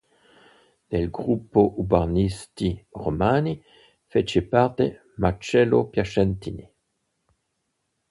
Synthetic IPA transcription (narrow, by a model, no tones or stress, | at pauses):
d̪̥elɡʁupːoʔubaʁnist̪iʁomani | fet͡ʃepaʁt̪e | mat͡ʃɛlopjaʃɛnt̪ini